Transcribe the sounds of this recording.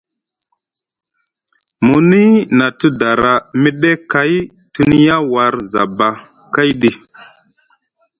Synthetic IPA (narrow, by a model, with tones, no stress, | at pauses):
mu˨ni˦na˨ti˦da˨ɾa˨mi˦ɗe˦ka˨˦j | ti˦ni˦ja˦wa˨ɾza̰˨ba˨ka˦jɗi˨